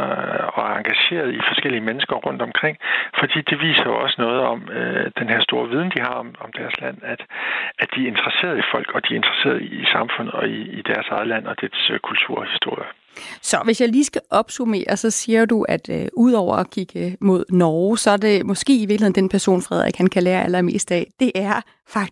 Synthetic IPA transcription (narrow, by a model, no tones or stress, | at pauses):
ɒ̽æɐɑ̈ŋɡ̥æɕe̝̰ːɐð̞ˠifɒ̽sɡ̥el̰iəmenəsɡ̥ɐʁɔ̽n̰d̥ɒ̽mkʰʁeŋ̰fɒ̽d̥ḭːd̥e̝ʋḭːsɐɒ̽sənɔ̽ːð̞̩ˠɒ̽mød̥enɦeɐ̰sd̥o̝ːɐʋið̞ˠn̩d̥iɦɑ̈ɒmɒ̽md̥æɐslæn̰æd̥æd̥ie̝nd̥ʁɐse̝̰ːɐð̞ˠifɒ̽l̰ɡ̥ɒ̽d̥ie̝nd̥ʁɐse̝̰ːɐð̩ˠiːsɑ̈mfɔ̽n̰ð̩ˠɒ̽iːd̥æɐsɑ̈ɪðˠəlæn̰ɒ̽d̥eskʰult͡sʰuɐ̰hisd̥o̝ɐ̰jə | sɒ̽ʋe̝sjɑ̈ɪliːsɡ̥æʔɒ̽b̥sume̝̰ːɐsɒ̽siːɐduæd̥uð̞̰ˠɒʊ̰ɐɒkʰiɡ̥əmo̝ð̞̰ˠnɒːʊsɒ̽æɐde̝mɒ̽sɡ̥e̝̰ːiʋiɐɡlihe̝nd̥en̩pʰæɐso̝̰ːnfʁɛð̞̰ˠɛ̰ɡ̥hænkʰæleːɐʔælɐme̝̰ːsd̥ɛ̰ːd̥e̝ʔæɐ | fɑ̈ɡ̥